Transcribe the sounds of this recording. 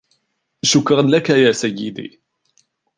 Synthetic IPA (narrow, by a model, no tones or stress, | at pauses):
ʃʊkɾˤɑnlakajaːsæjːɪd̪ḭː